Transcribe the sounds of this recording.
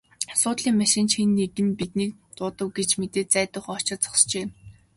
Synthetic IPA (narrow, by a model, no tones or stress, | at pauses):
sʊːt̪ɮiːŋmæʃɪ̆nt͡ɕxenːetɘ̆mpit̪niːk̚ | t̪ʊːt̪ə̆wɡet͡ɕmet̪eːt̪̚t͡sæːt̪ʊ̆ːχɔt͡ɕɪ̆t͡sɔ̥st͡ɕeː